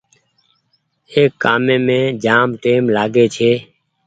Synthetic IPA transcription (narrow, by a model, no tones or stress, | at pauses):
eːkːaːmẽːmẽːd͡ʒaːmʈeːmlaːɡeːt͡ʃʰeː